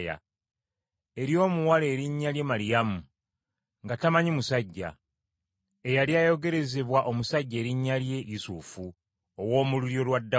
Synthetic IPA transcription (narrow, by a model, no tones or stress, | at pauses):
ja̰ | e̞ɾjo̞ːmuwale̞ːɾiɲːaljemaɾijamu | ŋɡatamaɲimusaɟːa̰ | ejaljajo̞ɡe̞ɾe̞ze̞βwaʔo̞musaɟːe̞ːɾiɲːalje̞isufu | owo̞ːmuluɾjo̞lwadːa